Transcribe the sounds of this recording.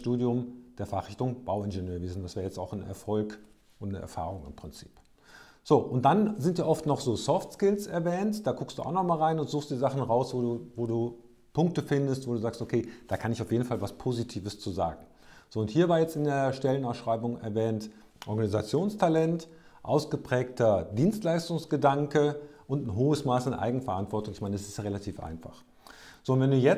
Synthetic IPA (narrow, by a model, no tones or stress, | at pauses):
ʃtuːdjʊmd̥eːɐfaχʁɪçtʊŋb̥aʊɪnɡenøːɐveːzn̩dasv̥eːɐjɛt͡staʊxnɛ̰ɐfɔlk | ʔʊntnəʔɛ̰ɐfa̰ːʁ̞ʊŋɪmpʁ̥ɪnt͡si̥̰ːp | z̥oːʔʊnt̚d̥anzɪntv̥iːɐʔɔftnɔχz̥oːsɔftskɪlsɛɐvɛːntd̥aːɡʊkstd̥uːa̰ʊxnɔχmaːlʁaɪnʊntz̥uːxstd̥iːzaχn̩ʁaʊsvoːuvoːduː | pʰʊŋk̚təfɪndəstv̥oːduːzaːkstokʰeːd̥aːkʰanɪçaʊfjeːdn̩falvaspʰoːzitʰiːvəst͡suːza̰ːɡŋ̩ | z̥oːʊnthiːɐvaːɐjɛt͡stɪndeːɐʃtɛlənasʃʁ̥aɪbʊŋɛ̰ɐvɛːnt | ʔɔɐɡanizat͡sjoːnstʰalɛnt | ʔaʊsɡ̥əpʁ̥ɛːktʰɐdiːnstlaɪstʊŋsɡ̥ədaŋkəʔʊntn̩ɦoːəsmaːsanʔa̰ɪɡŋ̩fɛɐʔa̰ntv̥ɔɐtʊŋɪçmaɪnəɛsɪstjaʁelatʰiːfʔa̰ɪnfa̰χ | z̥oːntvɛnduːjɛ